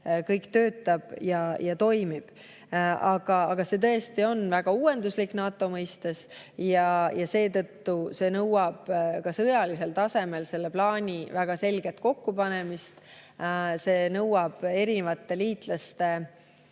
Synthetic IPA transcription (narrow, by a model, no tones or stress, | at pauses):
kɤjkt̪ø̞ːt̪ːˑɑb̥jɑjɑt̪o̞jmib̥ | ɑɡ̥ɑɑɡ̥ɑse̞t̪ɤest̪io̞nvæɡ̥ɑuːe̞nd̪uslikːnɑːt̪ːˑo̞mɤjst̪es | jɑjɑse̞ːt̪ɤt̪ːuse̞ːnɤwɑb̥kɑsɤjɑlise̞lt̪ɑse̞me̞lse̞lːe̞plɑːnʲivæɡ̥ɑse̞lɡ̥e̞t̪̚ko̞kːupɑne̞mist̪ | se̞ːnɤwɑb̥e̞ɾinevɑt̪ːe̞liːt̪lɑst̪e̞